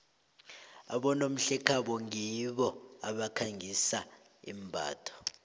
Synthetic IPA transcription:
aɓɔnom̩ɬɛkʰaɓɔŋiɓɔaɓakʰaŋisa | ḭm̩bʱa̰ːtʰɔ̥

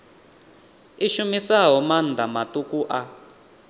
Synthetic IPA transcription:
iʃumisaɦɔmand̪ʱamatukuʔa

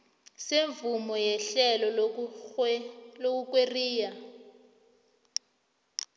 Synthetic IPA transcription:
seɱvumɔjɛɬɛlɔ | lok̬uk̬ʼweriːja

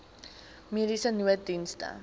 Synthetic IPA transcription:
medisənuədinstə̰

